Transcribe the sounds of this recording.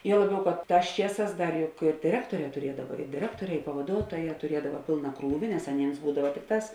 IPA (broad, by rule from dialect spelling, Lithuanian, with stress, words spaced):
ˈjuɔ ˈlˠɑːˌbʲɛʊ kɐt ˈtɑːs ˈt͡ʃʲiɛˌsɑːs ˈdɐr jʊk ɪr dʲɪˈrʲæːktoːˌrʲɛː tʊˈrʲiɛdɐʋɐ ɪ dʲɪˈrʲæːktoːˌrʲɛː ɪ pɐʋɐˈduɔtoːˌjɛː tʊˈrʲiɛdɐʋɐ ˈpʲeːlˠnɐ ˈkruːʋʲɪ nʲɛs ɐˈnʲeːms ˈbuːdɐʋɐ ˈtʲɪkˌtɑːs